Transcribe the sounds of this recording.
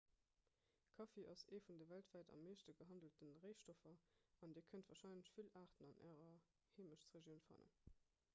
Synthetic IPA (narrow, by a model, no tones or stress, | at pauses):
kʰɑfeʔɑseːfundəvæltv̥ɑɪtɑ̰meːʃtəɡəɦɑndəl̩tənʁeɪʃtofɐɑndiːɐkʰəntvɑːɐʃɑɪnləɕfilʔaːʁtənɑnʔæ̰ːʁɐ | heːməʃt͡sʁeʒjəʊnfɑ̰ːnə̰n